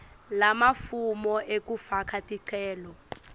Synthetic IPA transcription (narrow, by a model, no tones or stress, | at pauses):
lamafumɔʔek̬ʼufakʰatʼiǀʰɛːlɔ